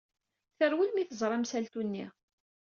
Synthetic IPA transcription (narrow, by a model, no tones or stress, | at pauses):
θəɾwilmiθəzˤɾˤɑmsælt̪unːḭ